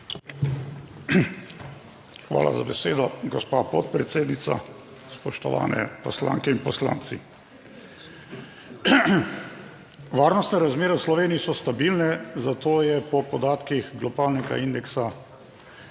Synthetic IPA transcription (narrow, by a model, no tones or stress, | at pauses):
xʋa̰ːla̰zabɛseːd̪ɔɡɔspapɔt̪̚pɾɛt̪seːd̪nit̪sa̰ | spɔʃt̪ɔʋa̰ːnɛ̰pɔsla̰ːŋkɛinpɔsla̰ːnt̪si | ʋaːɾnɔst̪nɛɾazmeːɾɛwslɔʋeːniːsɔst̪abilnɛzat̪oːjɛpɔpɔd̪aːt̪kixɡlɔbaːlnɛɡa̰ind̪ɛksa